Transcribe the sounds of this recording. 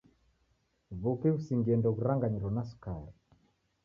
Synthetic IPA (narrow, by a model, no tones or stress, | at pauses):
βukɛusiŋɡiɛndɔɣuɾaŋɡaɲiɾɔnasu̥kaɾi